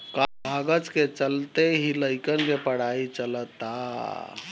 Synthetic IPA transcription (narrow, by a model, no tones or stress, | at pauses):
kabʱaɡət͡ʃket͡ʃəlt̪eɦiləjkənkepəɽ̤ait͡ʃələt̪a̰